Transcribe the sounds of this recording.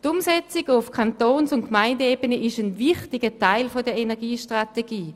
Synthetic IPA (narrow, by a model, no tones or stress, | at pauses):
tʊmsɛt͡sɪɡʊfkʰantoːnsʊntkmaɪndəeːbənəʔɪʃənvɪχtɪɡətʰaɪlfodəɐenɛɐɡiːʃtʁateɡiː